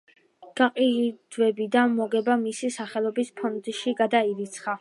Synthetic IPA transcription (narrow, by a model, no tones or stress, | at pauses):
ɡ̥aqʼid̪̥vɛbid̪anmɔɡɛbamisisaχɛlˠɔbispʰɔnd̪ʃiɡad̪aiɾit̪sʰχa